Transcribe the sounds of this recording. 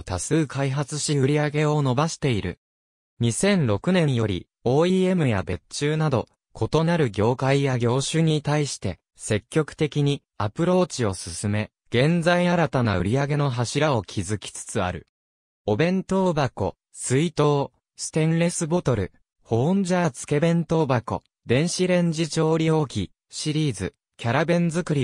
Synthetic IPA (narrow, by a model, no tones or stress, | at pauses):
t̪asɨːkaiɦat͡sɨɕiɯ̟ɾʲiaɡe̞o̞no̞baɕi̥t̪e̞iɾɯ̟̰ | ɲ̟isẽ̞nɾo̞kɯ̟nẽ̞jo̞ɾʲḭ | o̞ːie̞mɯ̟ja̰be̞t͡ɕɨːnad̪o̞ | kʰo̞t̪o̞naɾɯ̟ɡʲo̞ːkaijaɡʲo̞ːɕɨɲ̟it̪aiɕi̥t̪e̞ | se̞kʲːo̞kɯ̟̥t̪e̞kʲiɲ̟i | apɯ̟ɾo̞ːt͡ɕio̞sɨsɨme̞ | ɡ̥ẽ̞nd͡zaiaɾat̪ana̰ɯ̟ɾʲiaɡe̞no̞ɦaɕiɾao̞kʲʰizɨkʲi̥t͡sɨ̥t͡sɨa̰ɾɯ̟ | o̞bẽ̞nt̪o̞ːbako̞̰ | sɨit̪o̞ː | sɨ̥t̪ẽ̞nɾe̞sɨbo̞t̪o̞ɾɯ̟̰ | hõ̞ːɲ̟d͡ʑaːt͡sɨ̥ke̞bẽ̞nt̪o̞bako̞̰ | d̪ẽ̞ɰ̃ɕiɾẽ̞ɲ̟d͡ʑit͡ɕo̞ːɾʲio̞kʲi | ɕiɾʲiːzɨ | kʲaɾabẽ̞nd͡zɨkɯ̟ɾʲi